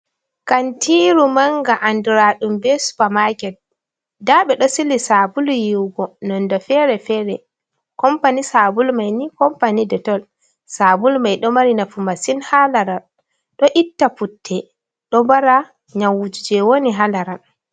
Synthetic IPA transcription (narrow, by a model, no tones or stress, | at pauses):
kantʰiɾumaŋɡaʔanduɾaɗumbɛsu̥pamakɛt̚ | daɓɛɗɔsilisabuljiwɡɔnɔndɔfɛɾɛfɛːɾɛ | kɔmpanisabulmajnikɔmpanidɛtɔl | sabulmajɗɔmaɾinafumasinhalaɾal | ɗɔʔitːaputʰːɛ | ɗɔbaɾa | ɲawːud͡ʒud͡ʒɛwoniɦalaɾal